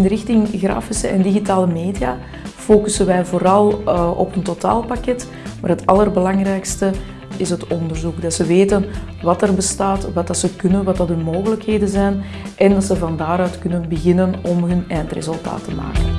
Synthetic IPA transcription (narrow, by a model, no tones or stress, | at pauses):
ɪnɾɪxtɪŋɣra̰ːfɪsəɛndiɣitaːləmeːdijaː | foːkysənʋɛjvoːɾɑlˠɔ̰pəntota̰ːlˠpakɛt | maːrɦətɑlˠərbəlɑŋrɛjkstə | ɪsɦətɔndərzukdɑtsəʋeːtən | ʋɑtərbəstaːtʋɑtdɑtsəkɵnənwɑtdɑtɵnmoːɣələkheːdənzɛjn | ʔɛndɑtsəvɑndaːɾœːtkɵnənbəɣɪnənɔmɦɵnɛːjntrḛzɵlˠta̰ːtəma̰ːkən